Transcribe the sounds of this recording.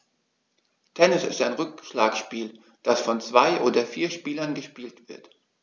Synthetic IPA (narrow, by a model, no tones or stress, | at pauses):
tʰɛnɪsɪ̰staɪnʁʏk̚ʃlaːkʃpiːl | d̥asfɔnt͡sv̥aɪʔoːdɐfiːɐʃpiːlɐnɡəʃpiːltv̥ɪɐt